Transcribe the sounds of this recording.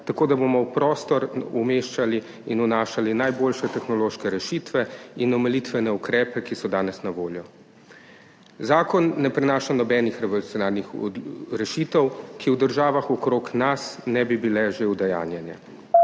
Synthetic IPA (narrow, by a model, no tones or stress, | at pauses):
t̪akoːd̪abomɔwpɾɔːst̪ɔɾumeːʃt͡ʃali | inunaːʃalinajboːlʃɛt̪ɛxnɔloːʃkɛɾɛʃit̪ʋɛinɔmɛlit̪ʋɛnɛukɾɛːpɛkisɔd̪aːnɛsnaʋoːljɔ | zaːkɔnːɛpɾɛnaːʃanɔbɛːnixɾɛʋolutsʲjɔnaɾnixɾɛʃit̪ɛwkʰiwd̪əɾʒaːʋaxɔkɾoːknasnɛbibilɛʒewd̪ɛja̰ːnjɛnjɛ̰